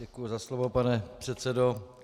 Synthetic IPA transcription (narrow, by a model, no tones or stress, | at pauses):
ɛkujuzaslovopanɛpr̥ɛt̪sɛdo